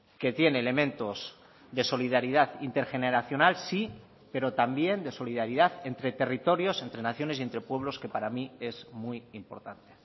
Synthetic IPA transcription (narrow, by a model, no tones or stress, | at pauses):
ke̞t̪je̞neːle̞mẽ̞nt̪o̞z̥ | ðe̞so̞lið̞aɾið̞aðint̪e̞ɾxe̞neɾaθjo̞nalsi | pe̞ɾo̞t̪ambje̞nd̪e̞so̞liðaɾiðaθe̞nt̪ɾe̞t̪e̞rit̪o̞ɾjo̞se̞nt̪ɾe̞naθjo̞ne̞sie̞nt̪ɾe̞pwe̞β̞lo̞ske̞paɾamie̞zmujimpo̞̰ɾt̪ant̪e̞̥